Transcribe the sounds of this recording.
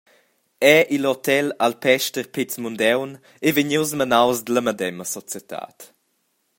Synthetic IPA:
ɛʔilot̪ɛlalpɛʃtəɾpit͡smund̪ɛwn | eveɲuwsmənawzd̪ələmədɛməsɔt͡sjət̪ʰa̰ːt̪

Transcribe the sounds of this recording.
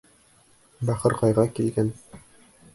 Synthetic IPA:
bæχɤ̆ɾqɑjʁɑkilɡæn

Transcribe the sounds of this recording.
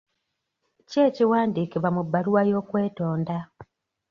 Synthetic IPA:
ce̞ːciwaːndiːkiβamubːaluwajo̞ːkwe̞ːto̞ːnda

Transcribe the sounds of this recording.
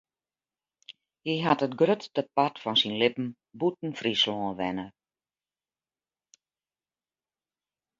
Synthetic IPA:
hiɦatətɡrøtdəpatfɔnsinlɪpn̩ | but̚n̩frislɔ̃ːʋɛnə

